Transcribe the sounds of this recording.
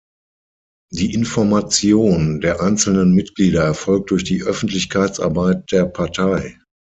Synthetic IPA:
diːʔɪnfɔɐmat͡sjoːndeːɐʔaɪnt͡sl̩nənmɪtɡ̥liːɾɐɛɐfɔlk̚t̚d̥ʊɐçd̥iːʔœfn̩tʰlɪçkʰaɪt͡sʔa̰ɐbaɪt̚d̥eːɐpʰaɐtʰaɪ

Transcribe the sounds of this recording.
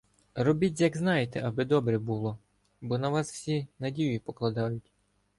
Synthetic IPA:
rɔbʲitʲjɐɡznɑjet̪ɛʔɐbɪd̪ɔbɾɛbulˠɔ | bɔnɐʋɑswsʲinɐdʲijʊipɔklˠɐd̪ɑjʊtʲ

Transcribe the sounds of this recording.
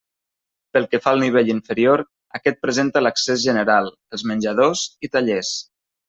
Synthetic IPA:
pəlˠkəfaəlˠniβ̞eʎiɱfəɾioɾ | əkɛt̪̚pɾəzent̪ələksezʒənəɾalˠ | əlˠzmənʲʒəðozit̪aʎɛs

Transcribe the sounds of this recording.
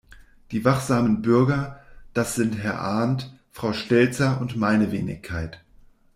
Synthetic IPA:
d̥iːvaχz̥aːmənbʏɐɡɐd̥asz̥ɪntɦɛɐʔaɐnt | fʁ̥aʊʃtɛlt͡sɐʊntmaɪnəvḛːnɪ̰çkʰːaɪt

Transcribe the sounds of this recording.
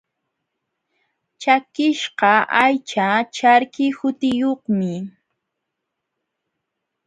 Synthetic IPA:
t͡ʃakɪʃɢɑʔajt͡ʃat͡ʃaɾkɪhʊt̪ɪjoχmɪ

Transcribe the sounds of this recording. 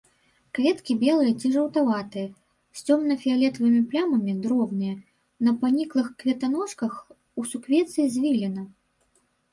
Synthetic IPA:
kvʲɛt̪kʲibʲɛlˠɨjɐt͡sʲiʐɐwt̪avat̪ɨjɐ | sʲt͡sʲɔmnɐfʲialʲɛt̪vɨmʲiplʲamɐmʲid̪ɾɔbnɨjɐ | nɐpanʲiklˠɨxkvʲɛt̪anɔʂkɐx | usukvʲɛt̪sɨjizʲvʲilʲɛnɐ

